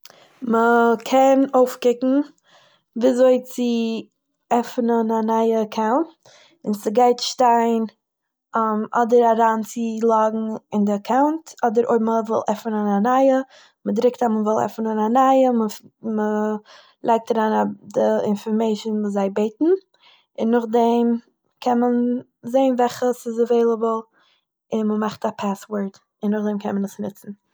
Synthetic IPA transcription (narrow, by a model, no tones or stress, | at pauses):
məkʰɛnoʊfkɪkŋ̩ | viazoɪt͡sɪ | ɛfnənanaɪəəkʰaʊnt | ɪnt͡sɪɡaɪtʃtaɪn | mɔ̰dəɾaɾaːnt͡sɪlˠaɡŋ̩ɪndɪakʰaʊntɔdəɾo̰ɪməvɪ̰lˠʔɛfənənanaɪə | mədɾɪk̚taməvɪlˠɛ̰fn̩ananaɪəməmə | lˠʔaɪk̚taɾaːnadɪɪ̰nfɔɾmeɪʃnvuːs̬zaɪbeɪtn̩ | ɪnːʊχdɛm | kʰɛnmən | zeɪnvɛlχəsɪzəveɪlˠəbəlˠ | ɪnməmaχtapʰaswəɹd | ɪnːʊχdɛmkʰɛnmənəsnɪt͡sn̩